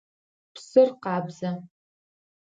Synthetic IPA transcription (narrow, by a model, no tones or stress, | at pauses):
psɨrqɑːbzɐ